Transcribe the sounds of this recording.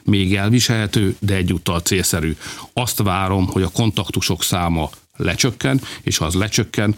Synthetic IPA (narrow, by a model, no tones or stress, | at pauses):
meːɡɛlviʃɛlɦɛt̪øːd̪ɛɛɟːuːt̪ːɒlt̪seːlsɛɾyːɒst̪ʋaːɾo̞mho̞ɟɒko̞nt̪ɒkt̪uʃo̞ksaːmɒ | lɛt͡ʃøkːɛneːʃɒzlɛt͡ʃø̞kːɛn